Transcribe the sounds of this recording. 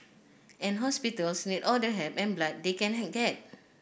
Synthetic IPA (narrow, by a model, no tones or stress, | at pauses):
ɛ̃nɦɔspitəlsnidɔldəɦɛpɛ̃nblat̚dekɛ̃nɦɛt̚ɡɛt̚